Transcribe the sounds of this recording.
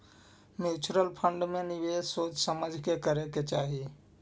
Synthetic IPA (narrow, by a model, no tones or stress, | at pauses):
mjuːt͡ʃɾəlpʰə̃ɳɖmẽnɪʋeːsoːt͡ʃsəməd͡ʒʱkekəɾeket͡ʃaːɦi